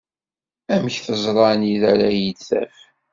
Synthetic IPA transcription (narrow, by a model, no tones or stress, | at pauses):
æməçθəzˤɾˤɑniðæɾæjət͡sːæ̰f